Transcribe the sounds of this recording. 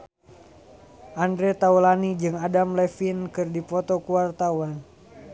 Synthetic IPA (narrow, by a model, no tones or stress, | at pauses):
ʔandɾɛt̪aulanid͡ʒɨŋadamlɛfinkɨrdipɔt̪ɔkuart̪awan